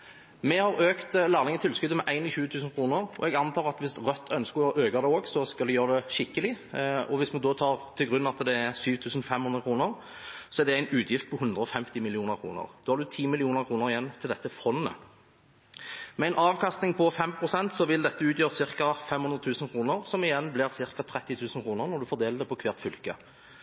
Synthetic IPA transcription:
mɛhɑʁøːkt̪læːʁlɪŋət̪ʰɪlskʉd̪əmɛʔæɪnɪlçʉːət̪ʰʉːsənkʰɾuːnəʁɔ̰ɛɡɑnt̪ʰɑːʁɑt̪ʋɪst̪ʁœt̪ːʰœnskəɔʔøːɡɑd̪ɛoːɡsɔskɑld̪ɛjøːʁd̪ɛʃɪkːəlɪɔʋɪsmɛnd̪oːt̪ʰɑːʁt̪ʰɪlɡʁʉnɑt̪d̪ɛæʁsyːʋt̪ʰʉːsn̩fɛmːhʉnd̪ʁəkʰʁuːnəʁ | sɔɛd̪ɛæɪnʉːt̪ʰjɪft̪̚pʰɔhʉnd̪ʁəɔfɛmt̪ɪmɪlɪuːnəɾkʰɾṵːnə̰ʁd̪oːhɑɾd̪ʉt̪ʰiːmɪlɪuːnəʁkʰʁuːnəʁɪjɛnːt̪ʰɪld̪ɛt̪ːəfɔnːə̰ | mɛæɪnʔɑːʋkɑst̪nɪŋpʰɔfɛmpʰʁʊsɛnt̪sɔʋɪld̪ɛt̪ːəʉːt̪jøːʁsɪʁkɑfɛmhʊnd̪ɾət̪ʰʉːsən̩kʰʁuːnəʁsɔmɪjɛnblɪʁsɪʁkɑt̪ʰʁɛt̪ːɪt̪ʰʉːsən̩kʰʁuːnəʁnɔʁd̪ʉfɔd̪eːləd̪ɛpɔkʰʋɛːʁt̪fʏlkə

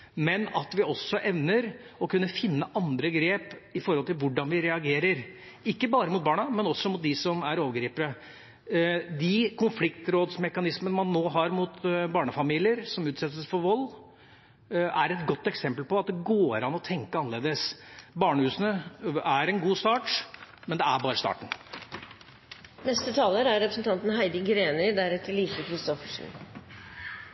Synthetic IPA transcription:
mɛnɑt̪ʋɪɔsːɔʔɛʋnəɾ | ɔkʰʉnːəfɪnːəʔɑnd̪ɾəɡɾeːpɪfɔɾhɔlt̪ɪlʋʊɖːɑnʋɪɾɛɑɡeːɾəɾ | ɪkːəbɑːɾəmʊt̪̚bɑːɳɑmɛnɔsɔmʊt̪̚d̪ɪsɔmæɾoːʋəɡɾiːpəɾə | d̪ɪkʰʊnflɪkt̪ɾoːd̪smɛkɑnɪsmənəmɑnːoːɦɑɾmʊt̪bɑːɳəfɑmiːlɪəɾsɔmʉːt̪sɛt̪ːəsfɔɾʋɔlː | æɾɛt̪ɡɔt̪ːɛksɛmpəlpɔɑt̪̚d̪ɛɡoːɾɑnɔt̪ʰɛŋkəɑnːəleːd̪əsbɑːɳəhʉːsənəæɾɛnɡuːst̪ɑːʈmɛnd̪ɛæbɑːɾəst̪ɑ̰ːʈn̩ | nɛst̪ət̪ʰɑːləɾæɾɾɛpɾəsn̩t̪ɑnt̪n̩hæɪd̪əɡɾeːnəɾd̪æɾɛt̪ːəliːsəkʰɾɪst̪ɔfəʂn̩

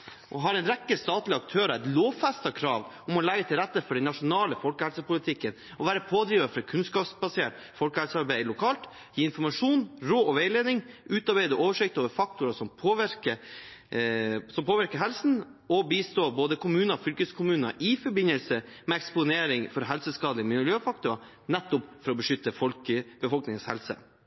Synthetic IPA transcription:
ʔɔɦɑɾɛɪnɾɛkːəst̪ɑːt̪lɪɑk̚t̪ʰøːɾɑæɪt̪loːʋfæst̪ɑkʰɾɑːʋʊmɔlæɡət̪ʰɪlɾæt̪ːəfɔɖɛnːɑʂʊnɑːləfɔlkəhɛlsəpʊlɪt̪ʰɪkːən | ɔʋæːɾəpʰoːd̪ɾiːʋɑfɾɑkʰʉnskɑːpsbɑseːʈfɔlkəhɛlsəɑɾbæɪlʊkʰɑːlt̪ | jiːɪnfɔɾmɑʂuːnɾoːɔʋeɪleːd̪ɪŋʔʉːt̪ɑɾbæɪd̪əʔoːʋəʂɪk̚t̪oːʋəɾfɑk̚t̪ʊɾɑʂɔmpʰoːʋɪɾkə | sɔmpʰoːʋɪɾkəɾɦɛlsn̩ | ɔbiːst̪oːboːd̪əkʰʊmʉːnɑfʏlkəskʰʊmʉːnɑ̰ʔɪfɔɾbɪnəlsəmɛɛkspʊneːɾɪŋfɔɾɦɛlsəskɑːd̪lɪəmɪljøːfɑk̚t̪ʊɾɑ | nɛt̪ːʊpfɔɾɔbəʂʏt̪ːəfɔlkəb̥əfɔlknɪŋənshɛ̰lsə̰

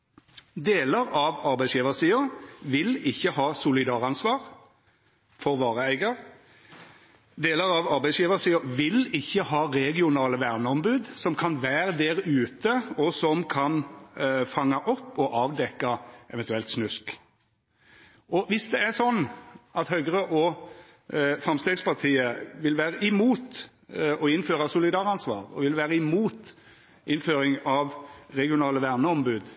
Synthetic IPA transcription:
d̪eːləɾɑʋɑʁbæɪsjiːʋəsiːʊɾʋɪlɪçːəhɑːsʊlɪd̪ɑːʁɑnsʋɑːʁ | fɔʁʋɑːʁəæɪɡəɾ | d̪eːləʁɑʋɑɾbæɪsjiːʋəsiːʊʋɪlɪçːəhɑːʁɛɡɪʊnɑːləʋæʁnəɔmbʉːd̪sɔmkʰɑnʋæːɾəd̪ɛɾʉːt̪əɔsɔmkʰɑn | fɑŋːɑʔɔpːɔʔɑːʋd̪ɛkːɑʔɛ̰ʋɛnt̪ʉɛlt̪snʉsk | ʔɔʋɪsd̪ɛæsɔnːɑt̪hœɡəɾəʔɔ | fʁɑmst̪eːɡspɑʁt̪ʰiːəʋɪlʋæːʁəɪmuːt̪ | ɔɪnːføːɾɑsʊlɪd̪ɑːʁɑnsʋɑ̰ːʁɔ̰ʋɪlʋæːʁəɪmuːt̪ | ʔɪnføːɾɪŋɑʋʁɛɡɪʊnɑːləʋæʁnəɔmbʉːd̪

